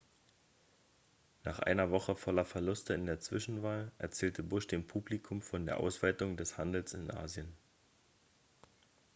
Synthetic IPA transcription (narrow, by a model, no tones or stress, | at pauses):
naːχʔa̰ɪnɐvɔχəfɔlɐfɛɐlʊstəɪndeːɐt͡sv̥ɪʃn̩vaːlʔɛ̰ɐt͡sɛːltʰəbʊʃd̥eːmpʰuːblikʰʊmfɔndeːɐʔa̰ʊsv̥aɪtʊŋdɛshandl̩sɪnʔa̰ːzjən